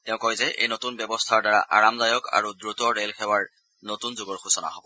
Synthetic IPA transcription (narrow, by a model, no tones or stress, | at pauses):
tɛʊ̃kojzɛʔḛjnotunbjɛbɔstʰaɹdaɹa̰ʔa̰ɹamzajɔka̰ɹudɹutɔɹelkʰɛwaɹ | notunzʊɡɔɹxusɔna̰ɦobɔ